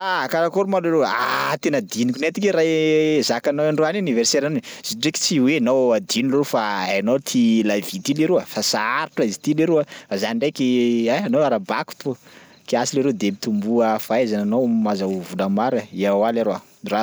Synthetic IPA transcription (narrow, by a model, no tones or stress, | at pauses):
akaɾakoɾumaleɾea̰t̪enəd̪inikʲunet̪ikʲeɾazakanoaɳɖ͡ʐoanuniverseɾaniz̥iɖ͡ʐeki̥t͡siweanowad̪inilrofaajnot̪ʰilavit̪ileɾeafasaaɾuʈ͡ʂaizit̪ileɾeafazaniɳɖ͡ʐekʲiaanoaɾabaku̥t̪u | kiasileɾed̪emit̪umbuəfaezananowmazauvulamaɾaiawalaɾoa | ra